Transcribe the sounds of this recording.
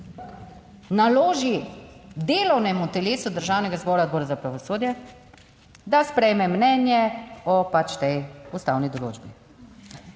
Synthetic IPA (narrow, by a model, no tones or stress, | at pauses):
naloːʒid̪eːlɔwnɛmut̪ɛleːsud̪əɾʒaːwnɛɡazbɔːɾad̪bɔːɾazapɾaʋɔsoːd̪jɛ | d̪aspɾɛjmɛmnɛːnjɛɔpat͡ʃt̪ɛjust̪a̰ːwnid̪ɔlo̰ːd͡ʒbi